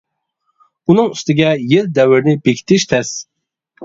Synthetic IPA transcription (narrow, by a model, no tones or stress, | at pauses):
unɨŋyst̪ɪɡʲɛjɪld̪ɛwɪɾnɪbekʲʰi̥t̪ʰɪʃt̪ʰɛs